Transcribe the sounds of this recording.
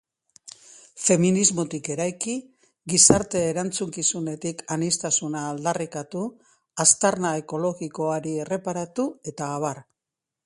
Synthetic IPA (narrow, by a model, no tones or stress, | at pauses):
fe̞minizmo̞t̪ike̞ɾajki | ɣisaɾt̪e̞ːɾant͡suŋkisune̞t̪ikanist̪asunaːld̪arikat̪u | ast̪aɾnaeko̞lo̞ɣiko̞aɾiere̞paɾat̪ue̞t̪aːβ̞ar